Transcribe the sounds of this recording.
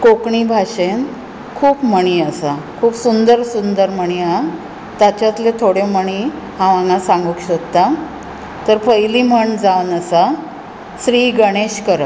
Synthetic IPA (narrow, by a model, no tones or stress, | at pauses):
kokɳibʱaɕen | kʰuːpməɳ̃iəsakʰuːpsund̪əɾsund̪əɾməɳ̃ia | t̪at͡ɕat̪let̪ʰoɽeməɳ̃i | ɦãʋãŋɡãsãŋɡukɕəkt̪a | t̪əɾfəjlim̤əɳd͡zawnəsa | sɾiːɡəɽ̃eɕkəɾə